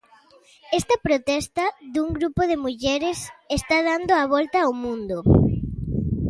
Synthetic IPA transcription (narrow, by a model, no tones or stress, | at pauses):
ɛst̪ɐpɾot̪ɛst̪ɐðuŋɡɾupoðemuʎɛɾesest̪aðand̪oaβ̞ɔlt̪aːwmũnd̪o